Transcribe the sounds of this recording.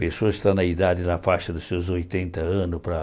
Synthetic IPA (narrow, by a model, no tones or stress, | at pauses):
pesoɐɪst̪anɐid̪ad̪ɪnɐfaʃɐd̪ʊsewzojt̪ẽnt̪ɐɐ̃nʊpɾɐ